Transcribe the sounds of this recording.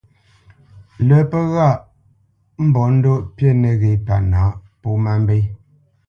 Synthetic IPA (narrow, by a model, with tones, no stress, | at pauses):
lə˨˦pə˦ɣa˦˨ʔ | m̩˦bɔ˨˦n̩˦do˦ʔpje˦˨nɛ˨ɣe˨pa̰˨naː˨˦ʔ | po˦ma˦m˦be˦